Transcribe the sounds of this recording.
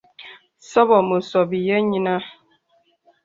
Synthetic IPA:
sɔ˦bɔ˨mə˨sɔ˨bi˨je˦ɲi˦na˦

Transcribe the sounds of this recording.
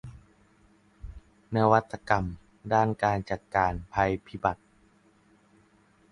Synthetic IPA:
na˧wa˦˥t̪ːa˧ka˧m | daː˥˩nkaː˧nt͡ɕa˨˩t̪̚kaː˧npʰa˧jpʰi˦˥ba˨˩t̪̚

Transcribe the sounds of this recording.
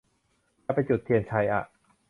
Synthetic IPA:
a˧˩pa˧jt͡ɕu˨˩t̪ʰːi˧ənt͡ɕʰa˦˥jʔa̰˨˩ʔ

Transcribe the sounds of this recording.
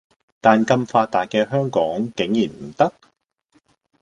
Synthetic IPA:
t̪aː˨nkɐ˧mfaː˧tt̪aː˨t̚kɛː˧ɦœː˥ŋkɔː˨˥ŋkɪ˨˥ŋjiː˨˩nm̩˨˩t̪ɐ˥k̚

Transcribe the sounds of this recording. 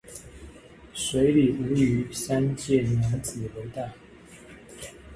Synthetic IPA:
swe˧˥ɪli˨˩ʔu˧˥˦y˧˥˦sa˥nt͡ɕjɛ˥˨nja˧˥˦t͡sɹ̩˨˩we˧˥ɪt̪a˥˩

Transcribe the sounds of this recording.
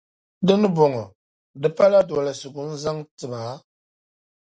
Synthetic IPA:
dɨ˦nɨ˦bɔ˨ŋɔ˨ | dɨ˦pa˦la˦dɔ˨la˨sʊ˨ɡʊ˨n̩˦za˦ŋtɨ˨baː˨˦

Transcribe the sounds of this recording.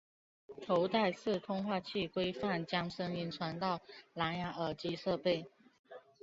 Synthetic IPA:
t̪ʰo˧˥ʊt̪a˥˧ɪsʰɹ̩˥˨t̪ʰʊ˥ŋxwa˥˧t͡ɕʰi˥˩kwe˥ɪfa˥˨nt͡ɕjɑ˥ŋʂə˥ŋi˧˥nʈ͡ʂʰwa˧˥nt̪ɑ˥˨ʊla˧˥nja˧˥˩ə˨˩t͡ɕi˧˥ʂɤ˥˧pe˥˩ɪ

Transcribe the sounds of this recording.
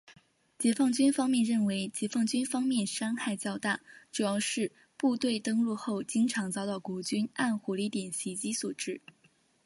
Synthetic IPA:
t͡ɕjɛ˧˥fɑ˥˩ŋt͡ɕy˥nfɑ˥ŋmjɛ˥˧nɻə˥˩nwe˧˥ɪt͡ɕjɛ˧˥fɑ˥˩ŋt͡ɕy˥nfɑ˥ŋmjɛ˥˩nʂɑ˥ŋxa˥˩ɪt͡ɕjɑ˥˧ʊt̪a̰˥˩ʈ͡ʂu˨˩jɑ˥˧ʊʂɻ̩˥˧ | pu˥˧t̪we˥˩ɪt̪ɤ˥ŋɻu˥˧xo˥˩ʊt͡ɕi˥ŋʈ͡ʂʰɑ˧˥ŋt͡sɑ˥˧ʊt̪ɑ˥˩ʊkwɔ˧˥t͡ɕy˥na˥˩nxɔ˧˥li˧˥t̪jɛ˨˩nɕi˧˥t͡ɕi˥su˨˩ʈ͡ʂɻ̩˥˩

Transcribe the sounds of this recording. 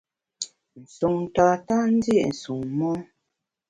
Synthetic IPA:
n̩˨su˨ŋta˨ta˦n̩˦dji˦˨ʔn̩˨su˨ŋmɔ˦

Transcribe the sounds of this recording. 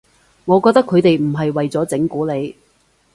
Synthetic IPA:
ŋɔː˨˧kɔː˧k̚t̪kʰːɵ˨˧ɥt̪e˨jm̩˨˩ɦɐ˨jwɐ˨jt͡sɔː˨˥t͡sɪ˨˥ŋkuː˨˥le˨˧j

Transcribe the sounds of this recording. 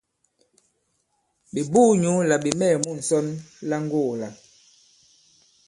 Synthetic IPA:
bi˨buː˦˨ɲu˨˦la˨bi˨mɛː˦˨mu˦˨n̩˨sɔ˦nla˦ŋ˦ɡo˦˨la˨

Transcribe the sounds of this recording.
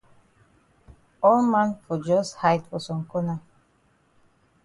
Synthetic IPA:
ɔ˦lmã˦nfɔ˨d͡ʒɔshajdfɔ˨sɔ̃˨ŋkɔ˦na˨

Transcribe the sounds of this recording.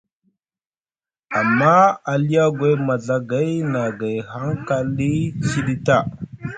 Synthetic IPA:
a˨mːa˦a˨li˦ja˦ɡwa˦jma˨ɮa˦ɡa˦jna˨ɡa˨jha˦ŋka˦li˦t͡ʃi˦ɗi˦ta˦˨

